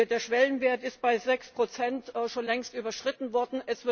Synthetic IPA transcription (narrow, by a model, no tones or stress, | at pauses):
deːɐʃv̥ɛlənveːɐtɪst̚b̥aɪzɛkspʁ̥ot͡sɛntːʃoːnlɛŋstʔyːbɐʃʁ̥ɪtn̩vɔɐdn̩ɛsv̥ɪ